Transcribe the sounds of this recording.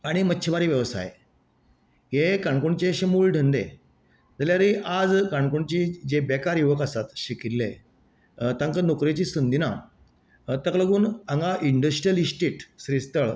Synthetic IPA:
aɽ̃imətːɕʰəʋaɾiːʋjəʋsa̰j | jekaɳkuɳt͡ɕeɕemuːlɖʱənd̪ḛ | d͡zəljaɾiʔad͡zkaɳkuɳt͡ɕiːd͡ʑebekaɾjuʋəkəsat̪ɕikit̪lḛ | t̪ãŋkənokɾet͡ɕiːsənd̪ina | t̪əkləɡuːnəŋɡaʔiɳɖəsʈɾiəlisʈiːʈsɾist̪əɭ

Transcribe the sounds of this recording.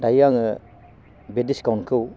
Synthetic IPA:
dajaŋɯ | bediskawnkʰɯw

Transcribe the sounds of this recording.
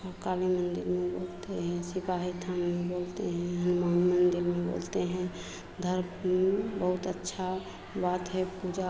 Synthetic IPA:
səɾkalimənd̪iɾmebolt̪eɦɛ̃sipaɦit̪ʰanmebolt̪eɦɛ̃ɦəmamənd̪iɾmebo̰lt̪eɦɛ̃ | d̪ʱəɾebəɦut̪ətːʃʰa | bat̪ɦɛpud͡ʒa

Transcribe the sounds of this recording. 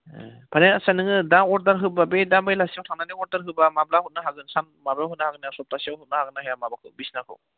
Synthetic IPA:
bʰaneasanɯŋɯdaŋɔɾdaɾɦɯbabedambajlasijawtʰaŋnaniɔɾdaɾɦɯbamablahut̚naɦaɡɯnsan | mablaɦɯt̚nahaɡɯnasɔp̚tasiawɦut̚nahaɡɯnahejamabakʰɯbisnakʰɯ̰w

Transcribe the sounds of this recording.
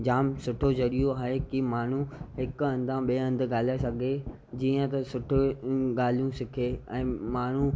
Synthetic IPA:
d͡ʑaːmsʊʈʰod͡ʑɐɾijoaːɦekimaːɳ̤ũɦɪkʊɐ̃nd̪ʱãɓiɐ̃nd̪ɡaːl̤iasɐɡʱe | d͡ʑiːə̃t̪ɐsʊʈʰɪɠaːl̤ijũsɪkʰeːɛ̃ːmaːɳ̤u

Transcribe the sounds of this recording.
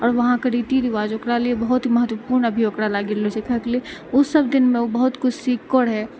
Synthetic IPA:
ɔːɾʋɐɦãkɐɾiːt̪id̪ɪʋaːd͡ʒoːkɽaliebɐɦʊt̪ɦimɐɦət̪ʋəpuːɾnɐbʱijoːkɽalaːɡelosɪkʰaklieʊsɐbd̪ɪnmẽobɐɦʊt̪kʊt͡ʃʰsiːkkəɽɦɛː

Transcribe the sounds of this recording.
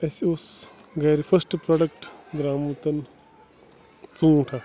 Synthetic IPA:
ɐsusɡɐjɾifʰɐsʈpɾɔɽɐk̚ʈɡɾaːmut̪ɐn | t͡sũːʈʰa

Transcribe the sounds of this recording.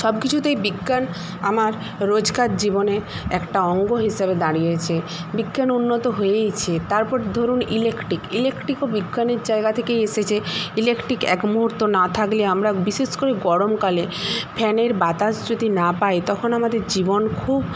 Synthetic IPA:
ʃɔb̚kit͡ɕʰut̪ejbiɡːan | amaɾː | od͡ʑkaɾd͡ʑibone | ɛkʈaɔŋɡoɦiʃabed̪aɽijet͡ɕʰebiɡːanunːot̪oɦoejt͡ɕʰet̪aɾpɔɾd̪ʱoɾunilekʈɾikilekʈɾikobiɡːaneɾd͡ʑaeɡat̪ʰekejeʃet͡ɕʰeilekʈɾikɛ̰kbuɦuɾt̪ːonat̪ʰakleamɾabiʃeʃkoɾeɡɔɽomkalepʰɛneɾbat̪ad͡ʑd͡ʑod̪ʱinapaet̪ɔkʰonamad̪eɾd͡ʑibonkʰub

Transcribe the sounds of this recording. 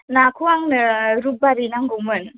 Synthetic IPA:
nakʰuaŋnɯɾub̚aɾinaŋɡumɯn

